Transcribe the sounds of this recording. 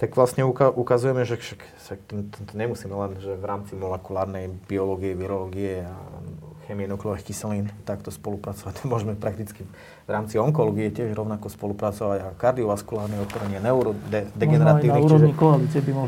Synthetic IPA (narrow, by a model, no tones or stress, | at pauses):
t̪aɡʋlasɲɛukaʔukazujɛmɛʒɛʃak | sakt̪ɛnt̪ɔt̪ɔɲɛmusiːmɛlɛnʒɛʋɾaːmt͡simɔlɛkulaːɾnɛjb̥iɔlɔɡiɛʋiɾɔlɔɡiɛa̰xɛmiɛnɔklɔʋɛxkisɛliːnt̪akt̪ɔspɔlupɾat͡sɔʋac̪amʊɔʒɛmɛpɾak̚t̪it͡ski | ʋɾaːmt͡siɔŋkɔlɔɡiɛcɪɛʒɾɔʊnakɔspɔlupɾat͡sɔʋaɟakaɾd̪iɔʋaskulaːɾnɛɔt̪ɔɾɛɲɪanɛuɾɔd̪d̪ɛɡɛnɛɾat̪iːniuːt͡ʃɔʒɲikɔalit͡siɛbimɔ